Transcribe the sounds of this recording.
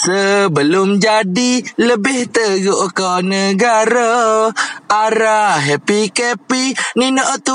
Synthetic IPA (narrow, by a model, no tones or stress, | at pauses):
səbəlomd͡ʒadiləbɪht̪əɡoʔkanəɡaɾo | aɾaɦɛpikɛpininɔʔt̪u